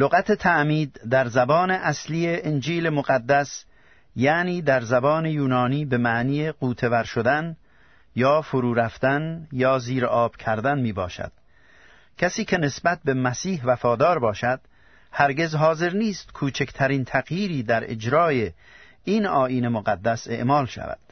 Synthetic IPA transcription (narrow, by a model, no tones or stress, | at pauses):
loɣæt̪ʰet̪ʰæʔmiːd̪ːæɾzæbɒːne̞ʔæslije̞ʔend͡ʒiːlemoɣæd̪ːæs | jæniːd̪æɾzæbɒːnejuːnɒːniːbe̞mæʔniːequːt̪ʰe̞væɾʃod̪æn | jɒːfoɾuːɾæft̪ænjɒːziːɾɒːb̥kʰæɾd̪ænmiːbɒ̰ːʃæ̰d̪̥̚ | kʰæsiːkʰe̞ne̞sbæt̪̚bemæsiːɦvæfɒːd̪ɒːɾbɒːʃæd̪̥ | hæɾɡe̞zɦɒːze̞ɾniːst̪kʰuːt͡ʃʰekʰt̪ʰæɾiːnt̪ʰæɣjiːɾiːd̪æɾḛd͡ʒɾɒːje | inɒːʔiːnemoɣæd̪ːæse̞̰ʔmɒːlʃæ̰væ̰d̪̥